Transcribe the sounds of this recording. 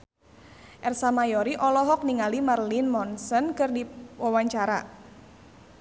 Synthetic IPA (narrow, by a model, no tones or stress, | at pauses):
ʔɛrsamajɔɾiʔɔlɔɦɔk̚niŋalimarlinmɔnsənkɨrdiwawaɲt͡ʃaɾa̰